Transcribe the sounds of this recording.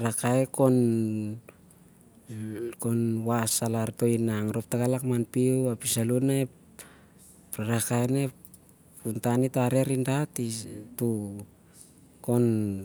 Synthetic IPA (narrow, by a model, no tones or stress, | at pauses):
ɾakaekon | konwasalaɾto̞jnaŋɾo̞p̚takalakmanpiuapisalunae | pɾaɾakaene | puntanitaɾe̞ɾindatitu | ko̞n